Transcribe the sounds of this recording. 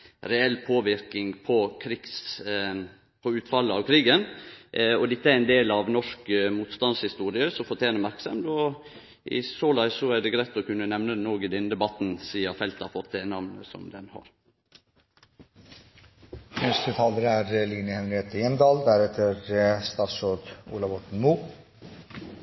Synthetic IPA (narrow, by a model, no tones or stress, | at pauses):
ɾɛɛlːpʰoːʋɪɾkɪŋpʰɔkʰɾiɡs | pʰɔʉːt̪fɑlːəɑʋkʰɾiːɡən | ɔd̪ɪt̪ːəæɾɛɪnd̪eːlɑʋnɔʂkmuːt̪st̪ɑnshɪst̪uːɾɪəsɔfɔt̪ʰjeːnəmæɾksɑmd̪ɔ | ʔɪ̰soːlæɪsɔæɖ̪ɛɡɾæɪt̪ɔkʉnːənɛʋnənoːɡɪd̪ɪnd̪ɛbɑt̪ːnsiːɑfɛlt̪ɑɾfɔt̪̚ʰd̪eːnɑʋnə̰sɔ̰md̪ɛnhɑ̰ɾ | ɛst̪ət̪ʰɑːləɾəæɾliːnəhɛnɾɪheːt̪əjɛnd̪ɑːld̪æɾɛt̪ʰːəɾst̪ɑːsoːd̪ṵːlɑʋɔʈɳ̩muː